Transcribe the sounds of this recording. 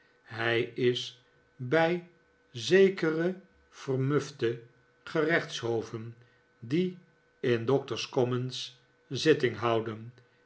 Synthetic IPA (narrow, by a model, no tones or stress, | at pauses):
ɦɛjɪs | bɛj | zejkərə | v̥ərmɵftə | χərɛχtsɦowvən | di | ɪndɔk̚təɹskɔməns | zɪtɪŋɦʌwdən